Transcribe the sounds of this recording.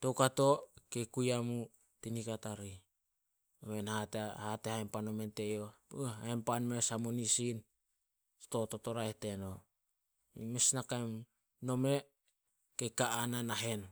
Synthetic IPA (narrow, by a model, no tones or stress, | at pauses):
to̞wkato̞kekujamu | tinikataɾi | omenhathatehaempano̞me̞nte̞johaempanmesamonisin | to̞totoɾaete̞no̞ | imesnakam | no̞me̞ | kekaʔananaɦe̞n